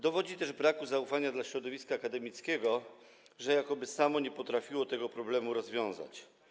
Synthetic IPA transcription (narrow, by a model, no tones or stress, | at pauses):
d̪ɔvɔd͡ʑit̪ɛʐbɾakuzaufaɲad̪laɕɾɔd̪ɔvʲiskaːkad̪ɛmʲit̪skʲɛɡɔ | ʐɛjakɔbɘsamɔɲɛpɔt̪ɾafʲiwɔt̪ɛɡɔpɾɔblɛmuɾɔzvʲjɔ̃w̃za̰t͡ɕ